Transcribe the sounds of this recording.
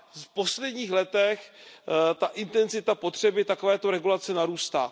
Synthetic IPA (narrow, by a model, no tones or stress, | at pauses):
fpo̞slɛdɲiːxlɛt̪ɛx | t̪aʔɪnt̪ɛnzɪt̪apo̞t̪r̝̥ɛbɪt̪akovɛːt̪oɾɛɡulat͡sɛnaɾuːst̪a̰ː